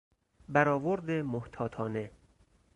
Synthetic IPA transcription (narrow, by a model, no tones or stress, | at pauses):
bæɾɒːvoɾd̪emoht̪ʰɒːt̪ʰɒːne̞